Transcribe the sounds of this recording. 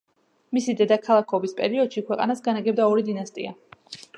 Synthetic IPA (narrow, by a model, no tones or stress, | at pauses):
misid̪ɛd̪akʰalˠakʰɔbispʼɛ̰ɾiɔd̪̥ʃikʰwɛqʼa̰nasɡanaɡɛb̚d̪aɔɾid̪inast̪ʼḭa